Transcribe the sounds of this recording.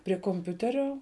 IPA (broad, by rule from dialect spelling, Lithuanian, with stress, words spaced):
pʲrʲiɛ koːmʲˈpʲʊtʲɛrʲoː